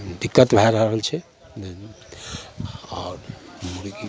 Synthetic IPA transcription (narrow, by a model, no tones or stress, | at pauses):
d̪ikːət̪bʱaɾəɦəɦəlt͡ʃʰɛ | ɔɾmuɾki